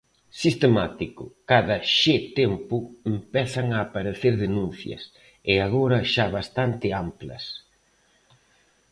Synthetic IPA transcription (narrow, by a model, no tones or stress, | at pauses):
sist̪emat̪ikʊkaðɐʃet̪empʊempɛθɐŋaːpaɾeθeɾðenun̟θjɐ̰s | ɪaɣoɾɐʃaβast̪ant̪ɪamplɐ̰s